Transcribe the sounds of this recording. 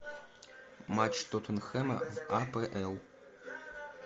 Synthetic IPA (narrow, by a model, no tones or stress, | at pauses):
maːt͡ʃʰt̪ʰotʷʰɨnxɐmɐ̰vaːpʰeʔɛl